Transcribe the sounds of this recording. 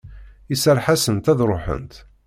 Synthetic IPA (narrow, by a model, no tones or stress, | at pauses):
isəɾħasənt̪æðɾˤoħə̰nt̪